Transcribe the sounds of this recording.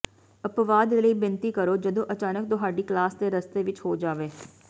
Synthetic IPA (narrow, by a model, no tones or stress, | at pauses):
əpʋaːd̪eləiːbɪnt̪iːkəɾoːd͡ʒəd̪õːʔət͡ʃaːnək̚t̪ʊɦaːɖiːklaːsd̪eːɾəst̪eːʋɪt͡ʃhoːd͡ʒaːʋeː